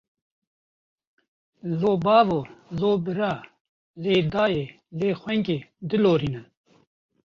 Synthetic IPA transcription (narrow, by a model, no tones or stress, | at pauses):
loːbaːvoloːbəɾaː | leːd̪aːje | leːxweŋked̪iloːɾinə